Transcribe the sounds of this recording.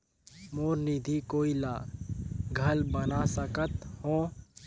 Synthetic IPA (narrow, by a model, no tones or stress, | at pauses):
moːɾnid̪ʱikoːilaː | ɡʱəlbənasəkət̪hõː